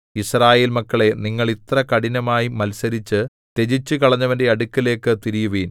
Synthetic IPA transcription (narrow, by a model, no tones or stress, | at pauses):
israːje̞ːlmɐkːɐɭe̞niŋːɐɭit̪rɐkɐɽinɐmaːjimɐlsɐɾit͡ɕːɨ | t̪e̞d͡ʑit͡ɕːɨkɐɭɐɲːɐʋɐnde̞ɐɽukːile̞ːkːɨt̪iɾijuʋiːn